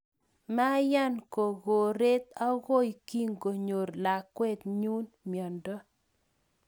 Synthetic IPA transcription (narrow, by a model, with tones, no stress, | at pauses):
ma˦ja˦nko˨ɣo˨ɾe˦t̪a˦ɣo˦jki˦ŋɡo˨ɲo˨ɾla˨kwɛ˦t̪ɲu˦n | mjɔ˨ndɔ˦